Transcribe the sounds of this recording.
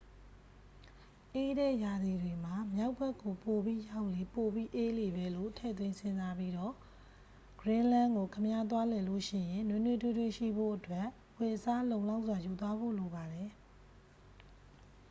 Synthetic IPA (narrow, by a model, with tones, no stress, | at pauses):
ʔe˦ɾɛ̰˦˨ja˨d̪i˨dwe˨m̥a˨mja˦ʊpʰːɛ˦˨kːo˨po˨bi˦ja˦ʊʔle˨po˨bi˦ʔe˦le˨βɛ˦˨lo̰˦˨tʰɛ̰˦˨t̪̬wɪ̃˦nsɪ̃˦˨nza˦pi˦dɔ˦˨ | ɡ̥ɹɪ̃˦lã˦ŋɡo˨kʰə˨mja˦t̪̬wa˦lɛ˨lo˦˨ʃɪ̰̃˦˨jɪ̃˨nwɪ̃˦nwe˦˨tʰwe˦twe˦˨ʃḭ˦˨bo̰˦˨ʔətwɛ˦ʔ | wɛ˨əsa˦lõ˨ʊ̃la˦ʊʔs̬wa˨ju˨t̪̬wa˦bo̰˦˨lo˨ba˨dɛ˨